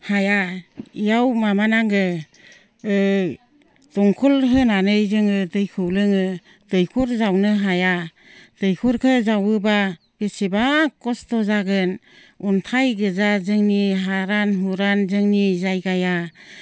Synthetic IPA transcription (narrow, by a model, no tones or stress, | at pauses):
hajaijawmamanaŋɡɯ | ɯ | tɔŋkʰulɦɯnanɯjzɯŋɯdɯjkʰɯwlɯŋɯ | d̥ɯjkʰuɾzawnɯɦaja | d̥ɯjkʰuɾkʰɯzawɯba | b̥esibakɔstɔzaɡɯn | untʰajɡɯzazɯŋniɦaɾanɦuɾanzɯŋnizajɡaja